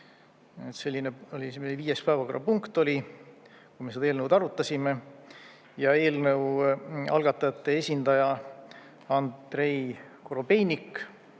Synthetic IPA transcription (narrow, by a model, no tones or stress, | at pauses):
et̪se̞lʲːineolʲimeviːjespæɑko̞rːɑpuŋkt̪ˑo̞lʲi | kujmesed̪̥ɑeːlnəwd̪ɑɾut̪ːˑɑsʲime | jɑe̞ːlnɤwɑ̰lɡ̥ɑt̪ːˑɑjɑt̪ːe̞esʲind̪̥ɑjɑ | ɑndd̪̥re̞j | koɾobe̞jnʲikː